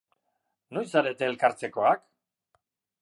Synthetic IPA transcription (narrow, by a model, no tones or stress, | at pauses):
no̞jsaɾe̞t̪e̞ːlkaɾt͡se̞ko̞ak